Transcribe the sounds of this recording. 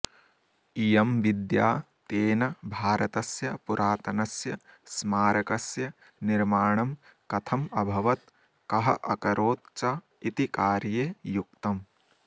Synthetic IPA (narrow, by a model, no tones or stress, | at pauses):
ijɐmʋid̪jaː | t̪eːnɐbʱaːɾɐt̪ɐsjɐpuɾʔaːt̪ɐnɐsjɐsmaːɾɐkɐsjɐ | niɾmaːɳ̃ɐmkɐt̪ʰɐmɐbʱɐʋɐt̪̚ | kɐɦɐ̰ʔɐ̰kɐɾoːt̪̚t͡ʃa | it̪ikaːɾjeːjuk̚t̪ɐm